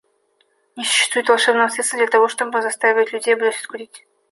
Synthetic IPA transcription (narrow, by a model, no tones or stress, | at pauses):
nʲɪsʊ̥ɕːɪ̥st̪vujɪt̪vɐlˠʂɛbnəɐt̪sɨt̪səd̪lʲɐt̪ɐvo̞ʂt̪obəzɐst̪avʲɪvətʲlʲʉdʲejbɨd̪ʲosʲʊskʊɾʲitʲ